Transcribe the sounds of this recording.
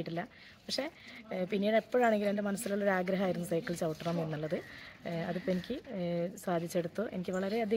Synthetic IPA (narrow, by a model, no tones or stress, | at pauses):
iʈːilːɐ | pɐkʂe̞pinːiɽepːoːɻaːɳe̞ŋɡile̞nde̞mɐnɐsːiloɭːo̞ɾaːɡɾɐɦɐaːjiɾunːusɐjkːɐɭt͡ɕɐwʈːɐrɐminːuɭːɐðɨɐðupːoenikʲːɨsaːd̪ʱit͡ɕːe̞ɽut̪ːoːʔe̞nikʲːɨʋɐɭɐɾe̞ɐd̪ʱi